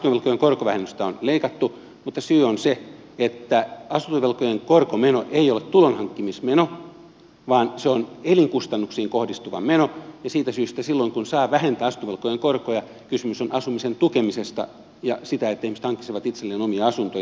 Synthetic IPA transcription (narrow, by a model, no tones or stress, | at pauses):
ɑt̪uʋelkojeŋkorkoʋæhenːyst̪æonleikɑt̪ːu | mut̪ːɑsyːonse | et̪ːæɑsunt̪oʋelkojeŋkorkomenoʔeiolet̪t̪ulonhɑŋkːimismeno | ʋɑːnseoneliŋkust̪ɑnːuksiːŋkohdist̪uʋɑ̰menojɑsiːt̪æsyːst̪æsilːoiŋkunsɑːʋæhent̪æːɑsu̥nt̪oʋelkːˑojeŋkorkojɑ | kysymysonʔɑsumisent̪ukemisest̪ɑ̰ | jɑsit̪æet̪ːæihmise̥t̪hɑŋkːi̥t̪seʋɑt̪it̪selːeːnomiɑɑsunt̪oj